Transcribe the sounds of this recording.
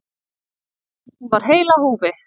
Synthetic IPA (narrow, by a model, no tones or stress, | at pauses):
hunvaɾ̥ɦeːjlahuːvɪ